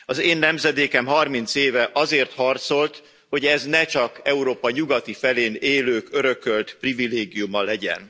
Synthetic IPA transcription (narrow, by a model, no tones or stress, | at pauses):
ɒzeːnːɛmzɛd̪eːkɛmɦɒrmint̪seːvɛʔɒzeːrt̪hɒrt̪so̞lt̪ | ho̞ɟɛznɛt͡ʃɒkɛuɾoːpɒɲuɡɒt̪ifɛleːneːløːkøɾø̞kølt̪privileːɡijumɒlɛɟɛ̰n